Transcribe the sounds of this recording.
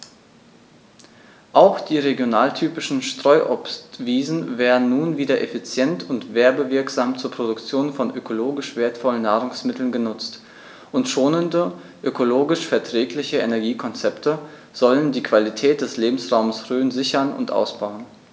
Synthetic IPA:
ʔaʊxd̥iːʁeɡjonaːltʰyːpɪʃn̩ʃtʁ̥ɔʏʔɔpstv̥iːzn̩veːɐdn̩nːuːnviːdɐʔefit͡sjɛntʰʊntv̥eːɐbəvɪɐkz̥aːmt͡suːɐpʁ̥odʊkt͡sjoːnfɔnʔøkʰoloːɡɪʃv̥eːɐtfɔlənːaːʁʊŋsmɪtl̩nɡənʊt͡st | ʔʊntʃoːnəndə | ʔøkʰoloːɡɪʃfɛɐtʁ̥ɛːklɪçəenɛɐɡiːkʰɔnt͡sɛptʰə | z̥ɔləndiːkv̥alitʰɛːt̚d̥ɛsleːbm̩sʁaʊməsʁøːnzɪçɐnʊ̰ntʔa̰ʊsb̥aʊən

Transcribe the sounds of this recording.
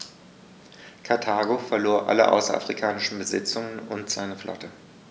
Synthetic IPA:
kʰaɐtʰaːɡofɛɐloːɐʔa̰ləʔa̰ʊsɐ̰a̰fʁ̥ikʰaːnɪʃn̩bəzɪ̰t͡sʊŋənʊntz̥aɪnəflʔɔ̰tə

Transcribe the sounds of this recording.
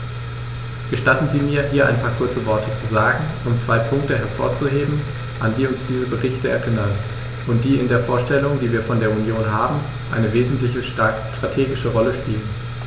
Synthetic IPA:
ɡ̥əʃtatn̩ziːmiːɐɦiːɐʔa̰ɪnpʰaːɐkʰʊɐt͡səvɔɐtʰət͡suzaːɡŋ̩ʔʊmt͡sv̥aɪpʰʊŋk̚təɦɛɐfo̰ːɐt͡suɦeːbm̩ | ʔandiːʊnsd̥iːzəbəʁɪçtəɛ̰ɐʔɪnɐn | ʔʊnt̚d̥iːɪndeːɐfoːɐʃtɛlʊŋdiːviːɐfɔndeːɐunjoːnɦaːbm̩ | ʔa̰ɪnəveːzn̩tlɪçə | tʁ̥atʰeːɡɪʃəʁɔləʃpiːlən

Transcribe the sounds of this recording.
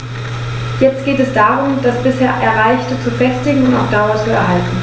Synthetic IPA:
jɛt͡st̚ɡ̥eːtɛsd̥aːʁʊmd̥asb̥ɪsheːɐʔɛɐʁaɪçtət͡sufɛstɪɡŋ̩ʊntaʊfd̥aʊɐt͡suɛ̰ɐɦaltn̩

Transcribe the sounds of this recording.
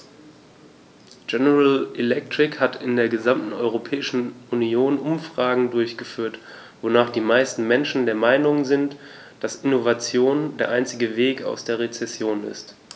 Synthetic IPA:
ɡɛnəʁalʔɛlɛk̚tʁ̥ɪkhatʰɪndeːɐɡəzamtn̩ɔʏʁ̞opʰɛːɪʃn̩unioːnʔʊmfʁ̥aːɡŋ̩dʊɐçɡ̥əfyːɐt | v̥onaːχd̥iːmaɪstn̩mɛnʃn̩deːɐmaɪnʊŋzɪnt | d̥asɪnovat͡sjoːndeːɐʔaɪnt͡sɪɡəveːka̰ʊsd̥eːɐʁ̞et͡sɛsjoːnɪ̰st

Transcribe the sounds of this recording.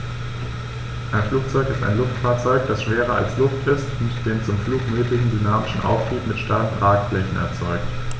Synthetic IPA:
ʔaɪnfluːk̚t͡sɔʏkɪstaɪnlʊftfaːɐt͡sɔʏk̚d̥asʃv̥eːʁ̞ɐa̰lslʊftɪstʊntd̥eːnt͡sʊmfluːkmøːklɪçn̩dynaːmɪʃn̩ʔa̰ʊftʁ̥iːpmɪtʃtaɪn̩bʁaːkflɛçn̩ɛ̰ɐt͡sɔʏk̚t

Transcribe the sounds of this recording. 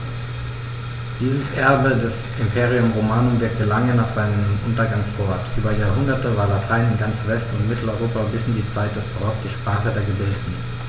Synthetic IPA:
d̥iːzəsʔɛɐbədɛsʔɪmpʰeːʁ̞iʊmʁomaːnʊmvɪɐk̚təlaŋənaːχz̥aɪnəmʔʊntɐɡaŋfɔɐtʔyːbɐjaːɐɦʊndɐtəvaːɐlatʰaɪnɪnɡant͡sv̥ɛstʊntmɪtʰl̩ɔʏʁoːpabɪsɪndiːt͡saɪt̚d̥ɛsb̥ʁɔkd̥iːʃpʁ̥aːχədeːɐɡəbɪldətn̩

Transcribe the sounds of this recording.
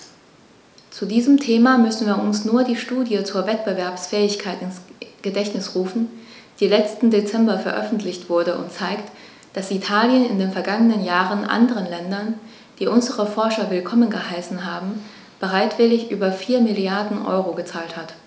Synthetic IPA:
t͡sudiːzəmtʰeːmamʏsn̩viːɐʊnsnuːɐdiːʃtuːdjət͡suːɐvɛt̚b̥əvɛɐpsfɛːɪçkʰaɪtɪnsɡ̥ədɛçnɪsʁuːfn̩ | d̥iːlɛt͡stn̩det͡sɛmbɐfɛɐʔœfn̩tʰlɪçtv̥ʊɐdəʔʊ̰ntt͡saɪkt | d̥asitʰaːljənɪ̰ndeːnfɛɐɡaŋənənjaːʁənʔa̰ndəʁ̞ənlɛndɐn | d̥iːʔʊnzəʁəfɔɐʃɐvɪlkʰɔmənɡəhaɪsn̩ɦaːbm̩ | b̥əʁaɪtv̥ɪlɪçʔyːbɐfiːɐmɪljaɐdn̩ʔɔ̰ʏʁoɡət͡saːlthat

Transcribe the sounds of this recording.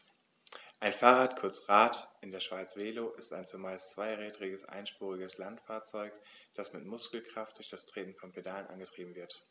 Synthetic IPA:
ʔaɪnfaːʁaːtkʰʊɐt͡sʁaːtʔɪndeːɐʃv̥aɪt͡sv̥eːloːʔɪsta̰ɪnt͡suɐmaɪst͡sv̥aɪʁɛːdʁɪɡəsʔa̰ɪnʃpuːʁ̞ɪɡəslantfaːɐt͡sɔʏkd̥asmɪtmʊskl̩kʁ̥aftd̥ʊɐçd̥astʁ̥eːtn̩fɔnpʰedaːlənʔa̰nɡətʁ̥iːbm̩vɪɐt

